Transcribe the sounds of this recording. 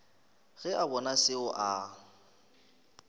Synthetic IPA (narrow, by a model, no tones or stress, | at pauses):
ɣ̥ɛʔabɔnasɪʊʔa